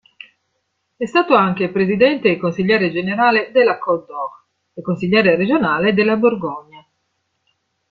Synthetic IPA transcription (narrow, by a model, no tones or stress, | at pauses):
ɛst̪aːt̪oaŋk̟epɾezid̪ɛnt̪eekonsiʎːɛːɾed͡ʒeneɾaːled̪elːakɔd̪ɔk | ekːonsiʎːɛːɾeɾed͡ʒonaːled̪elːaborɡɔɲːa